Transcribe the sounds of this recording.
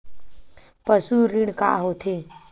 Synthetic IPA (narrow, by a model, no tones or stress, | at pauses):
pəsuɾiɳka̰ːɦoːt̪ʰeː